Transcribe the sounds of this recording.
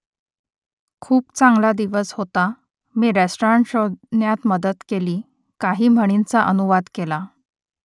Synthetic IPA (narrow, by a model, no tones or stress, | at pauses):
kʰuːpt͡saŋɡlad̪iʋəsɦot̪a | miːɾesʈoɾaɳʈɕonjat̪məd̪ət̪keliː | kaɦiːm̤əɽ̃int͡saʔənuʋad̪kela